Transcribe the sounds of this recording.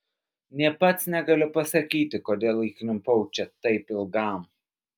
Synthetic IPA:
nʲiɛpɐt̪snʲɛɡɐlʲʊpɐsɐkʲiːt̪ʲɪkoːd̪ʲeːlˠiːknʲɪmpɔʊt͡ʃʲɛt̪ɐɪpɪlˠɡɐˑm

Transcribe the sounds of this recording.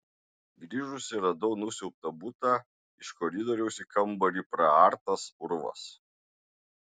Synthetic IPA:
ɡɾʲiːʒʊsʲɪɾɐd̪ɔʊnʊsʲɛʊp̚t̪ɐbʊt̪ɑˑ | ɪʃkɔɾʲɪd̪ɔɾʲɛʊsʲikʰɐmbɐɾʲiˑpɾɐɑɾt̪ɐsʊɾʊʋɐ̰s

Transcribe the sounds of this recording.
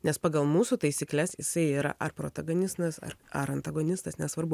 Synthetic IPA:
nʲɛspɑːɡɐlˠmuːsuːt̪ɐɪsʲiːklʲɛsjɪsɐɪiːɾɐ̰ʔɐɾpɾo̰ːt̪ɐɡonʲɪst̪ɐsɐ̰ɐɾɐnt̪ɐɡonʲɪst̪ɐsnʲɛsʋɐɾbʊ

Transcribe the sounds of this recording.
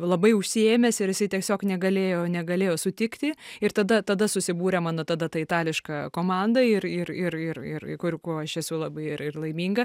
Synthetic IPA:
lˠɐbɐɪʊʃʲsʲieːmʲɛsɪɾjɪsɐɪt̪ʲiɛsʲoːknʲɛɡɐlʲeːjoːnʲɛɡɐlʲeːjoːsʊt̪ʲɪkt̪ʲɪɪɾt̪ɐd̪ɐt̪ɐd̪ɐsʊsʲɪbuːɾʲɛmɑːnoːt̪ɐd̪ɐt̪ɐɪt̪ɑːlʲɪʃkɐkoːmɑnd̪ɐɪɾɪrɪrɪrɪ̰rkʊɾʲkoːɐʃɛsʊlˠɑbɐɪɪɾɪrlˠɐɪmʲiːŋɡɐ

